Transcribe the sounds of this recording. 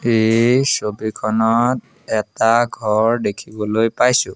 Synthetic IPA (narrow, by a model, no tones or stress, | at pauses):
ejsobikʰɔnɔt̚ | ɛtaɡʱɔɹdekʰibɔlojpajsʊ̃